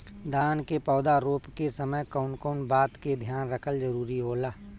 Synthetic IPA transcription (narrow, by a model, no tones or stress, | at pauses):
d̪aːnkepɔːd̪aɾoːpkesəməjkəʊnkəʊnbaːt̪ked̪ʱjaːnɾəkʰəld͡ʒəɾuːɾiɦoːlaː